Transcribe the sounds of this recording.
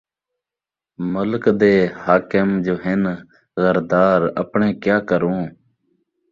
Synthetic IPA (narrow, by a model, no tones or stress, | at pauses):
mʊlkd̪eːhaːkəmd͡ʒoːɦɪn | ɣəɾd̪aːɾə̰pɳẽːkjaːkəɾõː